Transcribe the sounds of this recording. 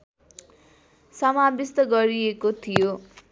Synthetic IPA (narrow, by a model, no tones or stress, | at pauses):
sʌmabist̪ʌɡʌɾiekot̪ʰijo